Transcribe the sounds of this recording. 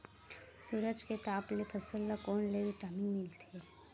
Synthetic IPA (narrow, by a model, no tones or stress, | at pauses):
suːɾəd͡ʒket̪aːplepʰəsəlːakoːɳleʋiʈaːmĩmɪlt̪eɛ